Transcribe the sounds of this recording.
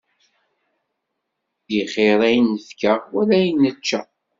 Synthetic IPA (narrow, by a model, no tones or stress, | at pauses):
diχeɾˤæjnəfkəʁwælæjənːət͡ʃːæ